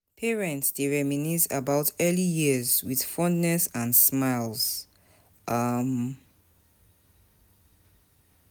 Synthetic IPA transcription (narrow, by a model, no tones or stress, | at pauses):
pʰɛɹɛ̃ntsdeɹɛminisa̰baʊtʰɛlijiəzwið̥fɔ̃nːɛsãnsmaɪlz̥ | ʔʌm